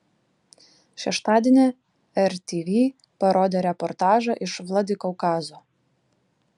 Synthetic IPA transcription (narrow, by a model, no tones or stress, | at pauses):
ʃʲɛʃt̪ɑːd̪ʲeːnʲe | ɛɾt̪ʲiːʋʲiː | pɐɾoːd̪ʲeːɾʲɛpɔɾt̪ɑːʒɐʔɪʃʋlˠɐd̪ʲɪkɔʊkɑːzoː